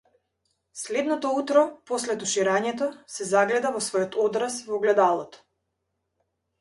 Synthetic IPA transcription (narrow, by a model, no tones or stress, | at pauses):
slɛd̪nɔt̪ɔut̪ɾɔpɔslɛt̪uʃiɾaɲɛt̪̬ɔsɛzaɡlɛd̪avɔsvɔjɔt̪ɔd̪ɾasvɔɡlɛd̪alˠɔt̪ɔ̥